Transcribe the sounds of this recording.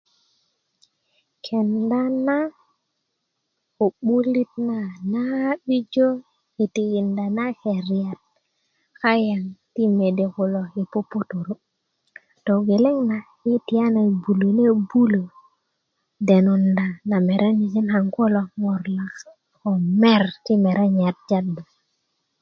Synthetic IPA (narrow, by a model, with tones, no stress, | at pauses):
kʰe˨nda˦na˦ | o˨ɓu˦li˦t̚na˨na˦ɓi˦d͡ʒo˦ | i˨ti˨ki˨nda˨na˦ke˨ɾi˨a˨t̚ | ka˦ja˨ŋti˦me˨de˨ku˨lo˨i˨po˦pːo˦to˨ɾo˦ | to˨ɡe˨le˦ŋna˨ | i˦ti˨ja˦na˨bu˨lo˨ne˦bu˦lo˨ | de˨nu˨nda˨na˨me˨ɾʔe˦ni˨t͡ʃi˦nxa˨ŋko˦lo˨ŋo˨ɾla˨k | ko˨me˦ɾki˦me˨ɾe˦ɲa˨t̚d͡ʒa˦do˨